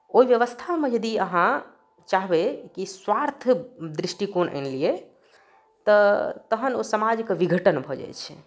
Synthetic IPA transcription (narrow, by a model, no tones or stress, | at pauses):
oiʋjəʋəst̪ʰamẽd͡ʒəd̪iəɦã | t͡ʃaɦbekiswaɾt̪ʰd̪ɾisʈikonʔə̰nlie | t̪ɔt̪əɦəno̰səmad͡ʒkeʋiɡʱəʈənbʱɔd͡ʒa̰jt͡ʃʰɛ̥̰